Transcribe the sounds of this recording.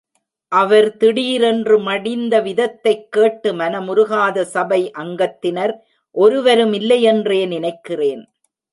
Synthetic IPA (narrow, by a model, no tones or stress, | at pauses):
ʔɐʋɐɾt̪ɪɽiːɾɛndrɯmɐɽɪnd̪ɐʋɪðɐt̪ːɐɪkːeːʈːɯmɐnɐmʊɾʊɣaːðɐsɐbɐɪʔɐŋɡɐt̪ːɪnɐɾ | ʔɔɾɯʋɐɾɯmɪlːɐjɛndreːnɪnɐɪkːɪreːn